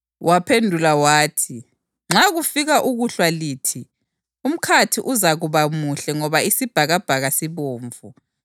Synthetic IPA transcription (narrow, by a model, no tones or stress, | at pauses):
wʔapʰendʱulawaːtʰi | ŋ͡ǁaɣufiɣaʔuɣuɬwaliːtʰi | um̩kʰatʰiʔuzaɣuβamuɬɛŋɔβaisib̥ʱaɣab̥ʱaɣasiβoːɱvu